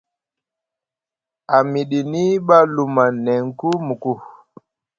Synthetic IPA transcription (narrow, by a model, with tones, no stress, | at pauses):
a˨mi˨ɗi˨ni˦ɓa˦lu˨ma˨nɛ˨ŋ˨ku˦mu˨ku˦